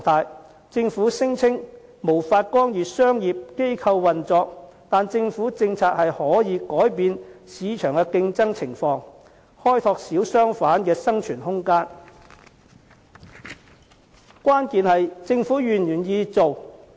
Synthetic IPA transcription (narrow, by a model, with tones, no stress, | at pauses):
t̪ʰaː˧j | t͡sɪ˧ŋfuː˨˥sɪ˥ŋt͡sʰɪ˥ŋ | mo˨˩wfaː˧t̚kɔː˥ŋjiː˨˩sœː˥ŋjiː˨p̚ke˥jkʰɐ˧wːɐ˨nt͡sɔː˧k̚t̪aː˨nt͡sɪ˧ŋfuː˨˥t͡sɪ˧ŋt͡sʰaː˧t̚hɐ˨jhɔː˨˥jiː˨˧kɔː˨˥jpiː˧nsiː˨˧t͡ʃʰœː˨˩ŋkɛ˧kɪ˧ŋt͡sɐ˥ŋt͡sʰɪ˨˩ŋfɔː˧ŋ | hɔː˥jt̪ʰɔː˧k̚siː˨˥wsœː˥ŋfaː˨˥nkɛː˧sɐ˥ŋt͡ʃʰyː˨˩nhʊ˥ŋkaː˥n | kwaː˥nkiː˨nhɐ˨jt͡sɪ˧ŋfuː˨˥jyː˨˩njyː˨˩njiː˧t͡so˨w